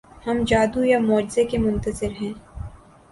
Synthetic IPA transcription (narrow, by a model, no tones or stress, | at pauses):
hɐmd͡ʒaːd̪ujamɔːd͡ʒzekemʊ̃nt̪əzɪɾɦɛ̃ː